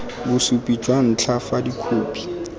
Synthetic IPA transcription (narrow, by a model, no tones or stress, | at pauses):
busupʼid͡ʒwan̩t͡ɬʰafadikʰuːpʰi̥